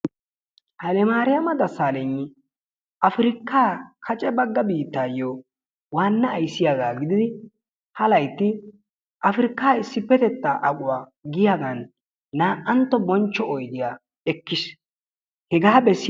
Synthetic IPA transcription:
hɐlɛmaːɾɪjɐmɐd̪ɐsaːlɛŋːɪ | ʔɐfɪɾɪkːaːkʰɐt͡ʃʼɛbɐɡːɐbiːt̪ːaːjo | waːnːɐːjsːɪjaɡaːɡɪd̪ɪd̪ɪ | hɐlɐjt̪ːɪ | ʔɐfɪɾɪkːaːɪsːɪpːɛt̪ɛt̪ːaʔɐkʼʊwaː | ɡɪjaɡɐnː | aːʔɐnt̪ːɔbɔnt͡ʃːɔɔjd̪ɪja | ɛkːɪs | hɛɡaːbɛsː

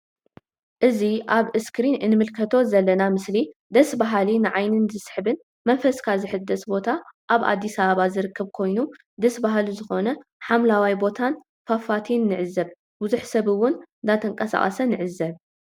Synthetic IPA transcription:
ʔɨziʔaβɨskɾinɨnːɨmɨlkʰɐt̪ʰo̞zɐlːɐnamɨslid̪ɐsbaɦalinɨʕajnɨnzɨsħbɨn | mɐnfɐskʰazɨħɨd̪ːɐsbo̞t̪ʰaʔaβʔa̰d̪ːisɐβaβazɨɾɨkʰːɐβkʰo̞jnu | d̪ɐsbaɦaluzɨxo̞nɐħamlawajbo̞t̪ʰan | fafat̪ʰinːɨʕɨzːɐβ | bʊzuħsɐβɨwːʊnnd̪at̪ʰɐŋkʼɐsa̰χʼɐ̰sɐnɨʕɨzːɐβ

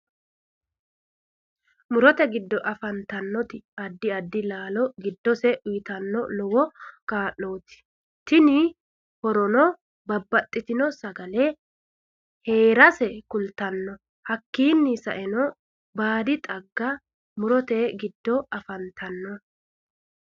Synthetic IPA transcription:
mʊɾɔt̪ɛɡɪd̪ːɔʔɐfɐnt̪ɐnːɔt̪ɪɐd̪ːɪɐd̪ːɪlaːlɔɡɪd̪ːɔsɛʔʊjɪt̪ɐnːɔlɔwɔkaːʔːoːt̪ɪ̥ | t̪ɪnɪ | hɔɾɔnɔ | bɐbːɐt̪ʼːɪt̪ɪnɔsɐɡɐlɛ | he̞ːɾɐsɛkʊlt̪ɐnːɔ | hɐkːiːnːɪsɐʔɛnɔ | baːd̪ɪt̪ʼɐɡːɐ | mʊɾɔt̪ɛɡɪd̪ːɔɐfɐnt̪ʰɐnːɔ

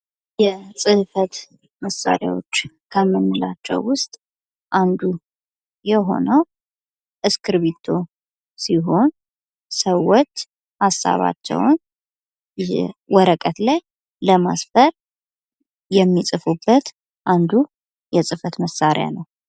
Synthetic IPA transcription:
jɛsʼɨhfət̪ | məsːa̰ɾja̰wo̞̰t͡ʃː | kʰəmːɨnːɨlat͡ʃːɛ̰wːʊst̪ʼ | ʔand̪u | jɛɦo̞̰nəw | ʔɨskʰɨɾβit̪ʰo̞ | siɦo̞n | səwːot͡ʃː | hasːa̰βa̰t͡ʃːɛ̰wn | jɛ̰wɔɾəkʼət̪laj | ləmasfəɾ | jɛmːisʼɨfubːət̪ | ʔand̪u | jɛsʼɨfət̪məsːaɾja̰nəw

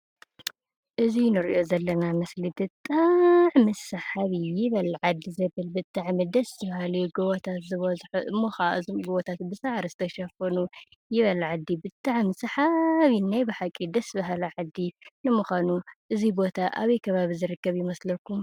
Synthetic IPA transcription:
ʔɨzinɨɾiʔo̞zɐlːɐnamɐslid̪ɨt̪ʼːaʕmɨsɐħaβijɪβɐlʕad̪ːizɐβɨlbɨt̪ʼːaʕmid̪ɐsɨβɐhalɐɡoβot̪ʰat̪zɨβɐzħuʔɨmːoxaʔzɡoβot̪ʰat̪bɨsaʕɾizɨt̪ʰɐʃɐfɐnu | jɪβɐlʕad̪ːibɨt̪ʼaʕmɨsɐħaβinajbɨħakʼːid̪ɐsɨβɐɦalɐʕad̪ːinɨmuxʷanuʔɨzibo̞t̪ʰaʔaβɐjkʰɐβaβizɨɾɨkːɐβjɪmɐslɐkːum

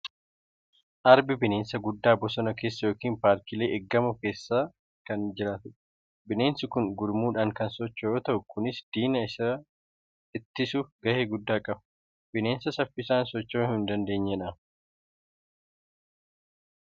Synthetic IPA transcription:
ʔɐɾbɪbɪne̞ːnsɐɡʊd̪ːaːbɔsɔnɐke̞ːsːɐjoːkiːnpaːɾt̪ile̞ːʔɛɡːɐmʊke̞ːsːaː | kɐnd͡ʒɪɾaːt̪ʊ | bɪne̞ːnsɪkʊŋɡʊɾmuːᶑaːŋkɐnsɔt͡ʃːɐjoːt̪ɐʔʊkʰʊnɪsd̪̥iːnɐɪs | ɪt̪ːɪsʊɡɐheːɡʊd̪ːaːkʼɐb | b̥ɪne̞ːnsɐsɐfːɪsaːnsɔt͡ʃːoːhɪnd̪ɐnd̪e̞ːɲːɛᶑɐ

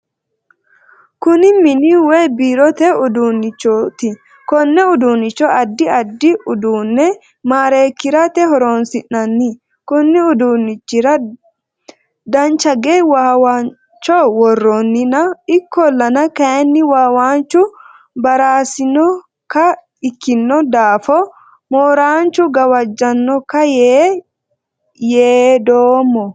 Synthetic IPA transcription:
kʊnɪmɪniweːbiːɾɔt̪ɛʊd̪uːnːɪt͡ʃːot̪ɪ | kɔnːɛʊd̪uːnːɪt͡ʃːɔɐd̪ːɪɐd̪ːɪʊd̪uːnːɛ | maːɾe̞ːkːɪɾɐt̪ɛɦɔɾoːnsɪnːɐnːɪ | kʊnːɪʊd̪uːnːɪt͡ʃːɪɾɐ | d̪ɐnt͡ʃɐɡeːwaːwaːn | t͡ʃːɔwɔrːonːɪnɐɪkːɔlːɐnɐkɐjɐnːɪwaːwaːnt͡ʃːʊ | bɐɾaːsɪnɔ | kɐ | ɪkːɪnːɔd̪aːfɔ | moːɾaːnt͡ʃʊɡɐwɐd͡ʒːɐnːɔkɐjeː | jeːd̪oːmːɔ

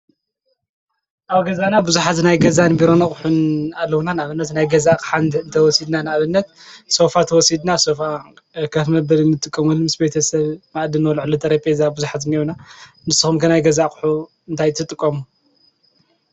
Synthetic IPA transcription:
ʔawɡɐzanabuzuħat̪najɡɐzanbiɾo̞nɐχʼħunalːɐwunanaʔaβɨnːɐt̪najɡɐzakʼħanɨnt̪ʰɐwɔsid̪nanɨʔaβɨnːɐt̪̚so̞fat̪ʰɐwɔsid̪naso̞fa | kʰɐfmɐbɐlɨnːɨt̪ʼɨkʼːɐmunmɨsbe̞t̪ʰɐsɐβmaʔd̪ɨnwɔlʕlut̪ʰɐɾepʼezabuzuħat̪niuna | mɨsɨxumkʰɐnajɡɐzakʼɨ̥ħu | ɨnt̪ʰajt̪ʰɨt̪ʼɨkʼːɐmu

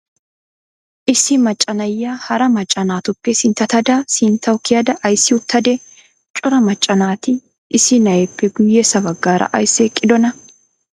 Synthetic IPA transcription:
ʔɪsɪmɐt͡ʃʼːɐnɐjːaːhɐɾɐmɐt͡ʃʼːɐnaːt̪ʊpːesɪnt̪ɐt̪ɐd̪aːsɪnt̪ɐwkɪjɐd̪ɐʔɐjsɪʊt̪ːɐd̪ɛ | t͡ʃʼʊɾɐmɐt͡ʃʼːɐnaːt̪ɪ | ʔɪsɪnɐɛpːɛɡʊjːesɐbɐɡːaːɾʔɐ̰ʔɐjsekʼɪd̪ɔnɐ

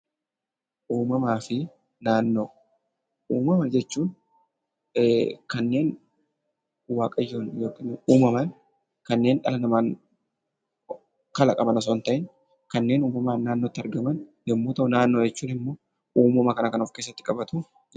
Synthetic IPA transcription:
ʔuːmɐmaːfɪ | naːnːo̞ː | ʔuːmɐmɐd͡ʒɛt͡ʃːuːn | kɐnːe̞ːn | waːkʼɐjoːnjoːkʼːɪnuːmɐmɐn | kɐnːe̞ːnᶑɐlɐnɐmaːn | kɐlɐkʼɐbɐnɐs̬oːnt̪ɐʔɪn | kɐnːe̞ːnuːmɐmaːnːaːnːot̪ːɪɐɾɡɐmɐnjɛmːuːt̪ɐʊnaːnːoːd͡ʒɛt͡ʃːuːnɪmːoː | uːmɐmɐkɐnɐkɐnɔfkesːɐt̪ːɪ̥kʼɐbɐt̪ʊ

